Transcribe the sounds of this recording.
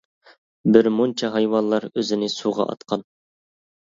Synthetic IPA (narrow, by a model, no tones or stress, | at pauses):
bɪɾmont͡ʃʰɑɦɑjwɑnlˠɑɾøzɪnɪsuʁɑ̰ʔɑ̰t̪qʰɑn